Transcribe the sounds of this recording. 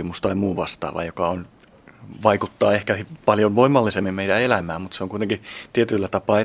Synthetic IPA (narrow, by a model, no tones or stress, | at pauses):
imust̪ɑimuːʋɑst̪ɑ̰ːʋɑ̰jokɑon | ʋɑikut̪ːɑːehkæhpɑljonʋoimːɑlːisemːimmeijdæelæmæːmmut̪seoŋkuit̪eŋkit̪iet̪ylːæt̪ɑpɑː